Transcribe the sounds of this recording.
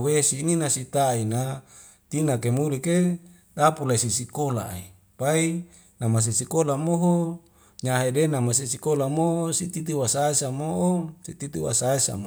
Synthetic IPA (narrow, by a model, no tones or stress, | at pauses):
wesininasit̪aina | t̪inakemulike | dapulaisisikola̰ḛ | pai | namas̬esikolamoɦo | ɲaɦedenamas̬esikolamosit̪it̪̬iwasaesamoʔosit̪it̪uwa̰saesa̰mo